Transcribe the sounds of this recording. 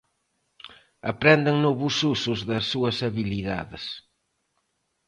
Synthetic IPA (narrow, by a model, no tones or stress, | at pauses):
ɐ̰pɾɛnd̪ɪŋnɔβususuzðɐsːuɐsɐβiliða̰ðɪs